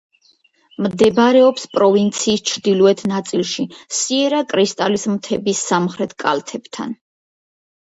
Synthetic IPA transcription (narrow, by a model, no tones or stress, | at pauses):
md̪ɛbɾɛɔpspʼɾɔvint̪sʰiːst͡ʃʰɾd̪iluɛt̪ʰnat̪sʼilˠʃisiɛɾakʼɾist̪ʼalismt̪ʰɛbisːamχɾɛt̪ʰkʼa̰lt̪ʰɛb̥t̪ʰa̰n